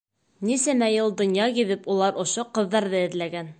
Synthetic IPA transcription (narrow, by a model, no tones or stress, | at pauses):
nisæmæjɤlˠd̪ŏnjɑkiβɘpulˠɑɾŏʃoqɤ̆ðːɑɾðɤɘ̆ðlæɡæn